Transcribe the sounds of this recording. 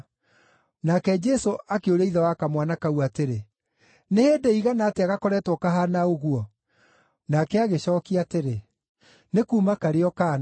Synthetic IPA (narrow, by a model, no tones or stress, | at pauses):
nakɛd͡ʒɛsoʔakeoɾeiðawakamwanakauateɾe | neheːdeiɣanaːteaɣakɔɾɛtwɔkaɦanaoɣuɔ | nakɛaɣeɕɔːkiateɾe | nekuːmakaɾeɔkan